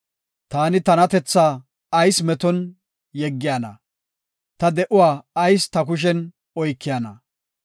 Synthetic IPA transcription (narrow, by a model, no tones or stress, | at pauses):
t̪aːnɪt̪ɐnɐt̪ɛt͡sːaː | ɐjsmɛt̪ɔn | jɛɡːɪjɐnɐ̰ | t̪ɐd̪ɛʔʊwaːɐjst̪ɐk̬ʊʃ̬ɛn | ɔjkːɪjɐnɐ̰